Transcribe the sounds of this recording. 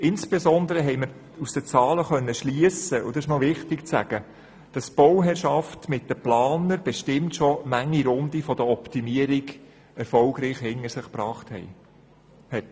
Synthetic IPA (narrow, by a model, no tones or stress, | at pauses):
ɪnsb̥esɔnd̪əɾəɦɛɪjməɾ | usd̥ət͡sɑːləχœnːəʃliəsəʔʊd̥̪ɑsɪʃnɔʋɪχtɪkt͡sæ̰ɡ̥ə | d̥ɑsb̥ɔwɦɛɾʃɑftmɪt̚d̥əplɑːnəɾb̥ɛʃtɪmtʃɔmæŋːiɾʊnd̪ifɔd̥əɔptimiəɾiɡ | ɛɾfɔlɡɾiːχhɪnːəɾsɪχprɑːχthɛ̰ɪ | hɛt